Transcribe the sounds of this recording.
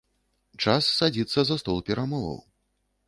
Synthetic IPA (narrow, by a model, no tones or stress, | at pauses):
t͡ʂasːad͡zʲit̪sːɐzɐst̪ɔlˠpʲɛɾamɔvɐ̰w